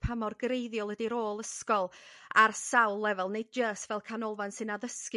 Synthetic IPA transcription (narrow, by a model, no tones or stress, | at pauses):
pʰamɔrɡrejðjɔlˠədiɾoːlˠəskɔlˠarsawlˠːɛvɛlˠnejd̚d͡ʒəːstvɛlˠkʰanɔlˠvansɨnaðəsk